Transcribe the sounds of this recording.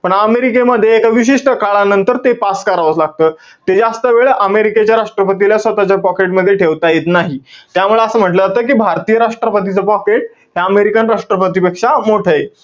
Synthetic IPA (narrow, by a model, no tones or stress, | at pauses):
pəɳəmeɾikeməd̪ʱːjeːkaʋiɕ̬iʂʈəkaɭanənt̪əɾt̪epaskəɾaʋəslaɡ̚t̪əː | t̪ed͡zast̪əʋeɭʔəmeɾiket͡ɕjaɾaʂʈɾəpət̪̬iljasʋət̪at͡ɕapɔkeʈməd̪ʱːjeʈʰeʋt̪ajet̪naɦit̪jamuɭeəsəːm̤əʈləd͡zat̪əːk̬iːbʱaɾt̪ijəɾaʂʈɾəpət̪it͡səpɔkeʈ̚ | ɦjaəmeɾikənɾaʂʈɾəpət̪̬ipekʂamoʈʰəːje